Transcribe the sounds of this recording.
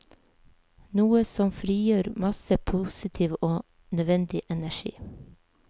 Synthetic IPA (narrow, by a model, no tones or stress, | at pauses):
nuːəsɔmfɾiːjøːɾmɑsəpʰusɪt̪ʰiːʋoː | nœʋɛnd̪ɪʔɛnæʃḭː